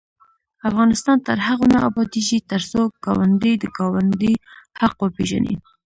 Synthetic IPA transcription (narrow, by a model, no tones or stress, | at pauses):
afɣɑnɪst̪ɑnt̪əɾhaɣonɑɑbɑd̪iʒit̪əɾsoɡ̥ɑwand̪əjd̪əɡɑwand̪ihaqwəpeʒa̰nḭ